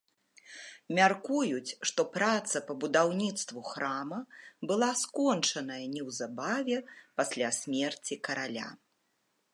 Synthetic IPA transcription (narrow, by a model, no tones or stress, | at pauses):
mʲarkujut͡sʲʂt̪ɔpɾat̪sɐpɐbud̪awnʲit̪st̪vuxɾamɐbɨlˠaskɔnt͡ʂɐnɐjɐnʲɛwzabavʲɛpasʲlʲasʲmʲɛrt͡sʲikɐɾalʲa̰